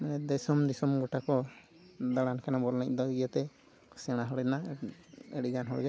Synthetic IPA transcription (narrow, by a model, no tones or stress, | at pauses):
manɛd̪ɛsɔmd̪isɔmɡɔʈakɔ | d̪aɽankʰanabɔɾnac̚d̪ɔɡijat̪ɛ | sɛɽ̃aɦɔɽɛna | ɛɽiɡanɦɔɽɡa